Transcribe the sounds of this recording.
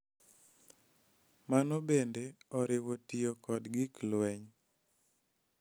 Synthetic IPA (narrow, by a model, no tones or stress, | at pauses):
manobendeɔɾɪwotiokɔdɡɪklwɛɲ